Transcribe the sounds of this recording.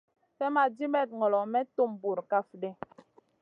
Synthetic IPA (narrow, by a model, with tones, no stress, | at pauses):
fɛ˦ma˨di˦mɛ˦˨t̚ŋɔ˨lɔ˨mɛ˦to˦˨mbu˨ɾka˦fdɛ˦